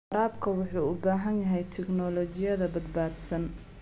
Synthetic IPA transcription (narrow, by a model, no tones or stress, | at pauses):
ɾaːbkʰɐwʊħuːʊbaːɦɐnjɐɦɛjt̪ʰɛɡnɔːlɔːt͡ʃɪjɐðɐbɐd̪baːd̪sɐn